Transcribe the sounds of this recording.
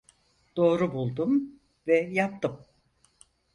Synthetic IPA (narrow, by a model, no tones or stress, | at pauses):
d̪̥o̞ːɾubulˠd̪um | vɛjap̚t̪ʰɯm